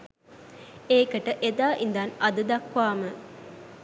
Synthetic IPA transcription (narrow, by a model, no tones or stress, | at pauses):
eːkəʈəʔed̪aːʔind̪ɐnɐd̪ud̪ɐkʋaːmə